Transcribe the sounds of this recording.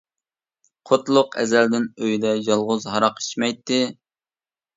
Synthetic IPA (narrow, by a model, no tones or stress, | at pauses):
qʰot̪lˠʊqɛ̰zæld̪ɪnøjd̪ɛjɑlˠʁʊzɦɑɾɑqi̥ʃmɛjt̪ːɨ